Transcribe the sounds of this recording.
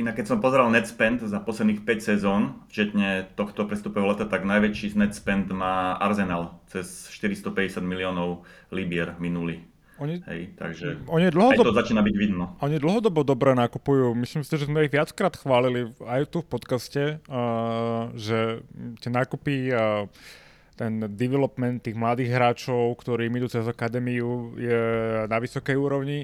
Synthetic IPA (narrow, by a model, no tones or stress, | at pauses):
inakːɛcsɔmpɔzɛɾalnɛt̪spɛnt̪zapɔslɛd̪nixpɛcsɛzɔːnft͡ʃɛt̪ɲɛt̪ɔxt̪ɔpɾɛst̪upɔɛːɦɔlɛt̪at̪aɡnajʋɛt͡ʃiznɛt̪spɛnd̪maːʔa̰ɾzɛnaːlt͡sɛsʃt̪iɾist̪ɔpɛɟɛsad̪miliɔːnɔʊ | libɪɛɾminuli | ɔɲiɦɛ̰jt̪a̰ɡʒɛɔɲid̪l̩ɦɔd̪ɔt̪ɔzat͡ʃiːnabiɟʋid̪nɔʔɔɲid̪l̩ɦɔd̪ɔbɔd̪ɔbɾɛnakupujuːmisliːmsiʒɛzmɛiɣʋɪat͡skɾaːt̪xʋaːliliajt̪ufpɔt̪kascɛ | ʒɛt̪ɪɛnaːkupi | t̪ɛnd̪iʋɛlɔpmɛnt̪ːiːɣmlad̪iːɣɦɾaːt͡ʃɔʊkt̪ɔɾiːmid̪uːt͡sɛzakad̪ɛːmiujɛnaʋisɔkɛjuːɾɔʊɲi